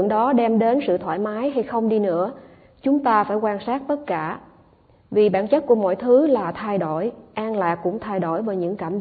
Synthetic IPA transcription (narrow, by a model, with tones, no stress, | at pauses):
əŋɗɔ˨˦ɗɛ˧mɗe˨˦nsɨ̰˧˨t̪ʰwa̰ː˧˩jmaː˨˦jɦa˧jxə˧wŋ͡mɗi˧nɨ̰˧˥ə | t͡ɕʊ˨˦ŋ͡mt̪aː˧faː˧˩jkwaː˧nsaː˦˥t̚t̪ə˦˥t̚kaː˧˩ | vi˨˩ɓaː˧˩nt͡ɕə˦˥t̚ku˧˩əmɔ̰˧˨jt̪ʰɨ˨˦laː˨˩t̪ʰa˧jɗo˧˩˨jʔaː˧ŋlaː˨˩kːʊ̰˧˥ŋ͡mt̪ʰa˧jɗo˧˩jvaː˨˦ɲɨ̰˧˥ŋkaː˧˩m